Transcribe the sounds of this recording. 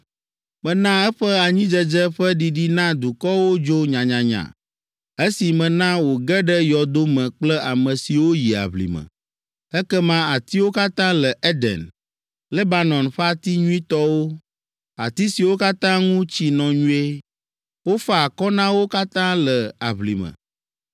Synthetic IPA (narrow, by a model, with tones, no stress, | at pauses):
mə̃˨nã˦ɛ˦ɸɛ˦a˨ɲĩ˦d͡ʒə˦d͡ʒɛ˦ɸə˦ɖi˨ɖi˦nã˦d̪u˨kɔ˦wo˦d͡ʒo˦ɲã˨ɲã˨ɲã̰˨ | e˦si˨mə̃˨nã˦wo˨ɡɛ˦ɖɛ˦jɔ˨d̪o˦mə̃˨k͡plɛ˦ʔa˨mə̃˨si˨wo˦ji˨a̰˨βlḭ˨mə̰̃˨ | ɛ˦kɛ˦mã˦a˨t̪i˦wo˦ka˦t̪ã˦lə˨ʔɛ˦d̪ɛ̰˨n | lɛ˦ba˦nɔ̃˨nɸa˦t̪i˦ɲũ˦ĩ˦t̪ɔ˦wo˦ | a̰˨t̪i˦si˨wo˦ka˦t̪ã˦ŋũ˦t͡ɕi˦nɔ̃˨ɲũ˦e˦ | wo˦ɸa˨kɔ˦nã˦wo˦ka˦t̪ã˦lə˨a˨βlḭ˨mə̰̃˨